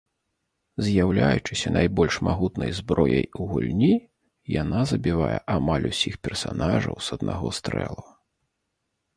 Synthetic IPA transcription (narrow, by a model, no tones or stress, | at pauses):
zʲjawlʲajut͡ʂɨsʲɐnajbɔlʲʂmaɣut̪nɐjzbɾɔjɐjuɣulʲnʲi | janazɐbʲivajɛʔamalʲusʲixpʲɛrsanaʐɐwsɐd̪naɣɔst̪ɾɛ̰lˠɐ